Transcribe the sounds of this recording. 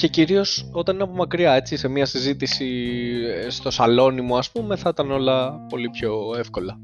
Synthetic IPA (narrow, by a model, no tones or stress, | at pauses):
ce̞ciɾio̞so̞t̪ɐnineɐpomɐkɾiɐe̞t͡sise̞miɐsizit̪isi | st̪o̞sɐlo̞nimuɐspume̞θɐit̪ɐno̞lɐpo̞lipço̞e̞fko̞lɐ